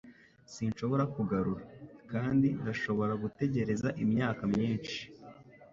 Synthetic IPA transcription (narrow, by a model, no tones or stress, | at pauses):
sinʃo̞βo̞ɾakuɡaɾuɾakaːndindaʃo̞βo̞ɾaɡute̞ɟe̞ɾe̞zaʔimɲaːkamɲiːnʃi̥